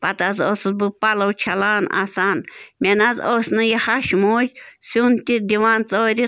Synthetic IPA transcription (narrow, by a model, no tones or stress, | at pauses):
pat̪azosɨbɨpalɐwt͡ʃʰalaːnʔa̰sanmʲɛnazosʲnɨjahaʃmut͡ʃʲsunt̪id̪iwant͡sʼoɾi